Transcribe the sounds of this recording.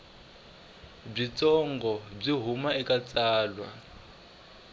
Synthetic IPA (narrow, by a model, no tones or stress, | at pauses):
b͡ʐit͡sɔŋɡɔb͡ʐiɦumaɛkʼat͡sʼaːlwa̰